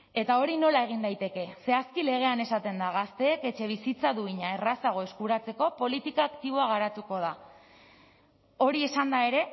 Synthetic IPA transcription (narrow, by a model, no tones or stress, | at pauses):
e̞t̪ao̞ɾino̞lae̞ɣ̞ind̪ajt̪e̞ke̞se̞askile̞ɣ̞e̞ane̞sat̪e̞nd̪aɣ̞ast̪e̞ːke̞t͡ʃe̞β̞isit͡saðuiɲae̞rasaɣ̞o̞e̞skuɾat͡se̞ko̞po̞lit̪ikaːkt̪iβ̞o̞aɣ̞aɾat̪uko̞ð̞a | o̞ɾie̞sand̪ae̞ɾe̞